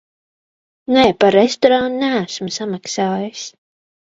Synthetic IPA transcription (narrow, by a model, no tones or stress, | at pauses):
nɛpaɾːest̪ɔɾannææsmusamaksaːjɨs